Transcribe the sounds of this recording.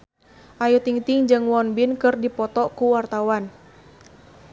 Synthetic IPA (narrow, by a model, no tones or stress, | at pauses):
ʔajut̪iŋt̪ɪŋd͡ʒɨŋwɔnbinkɨrdipɔt̪ɔkuwart̪awan